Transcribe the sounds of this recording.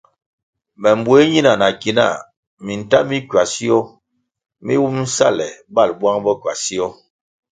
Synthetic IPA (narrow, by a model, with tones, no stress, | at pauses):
mɛ˨mbu˨˦e˦ɲi˦na˨na˨ki˨na̰˦˨ | mi˨n˨ta˦mi˦kɥa˨si˦ɔ˦ | mḭ˦wu˦m̩˦sa̰˦˨lɛ˨ba˦˨lbwa˦ŋbɔ˦kɥa˨si˦ɔ˦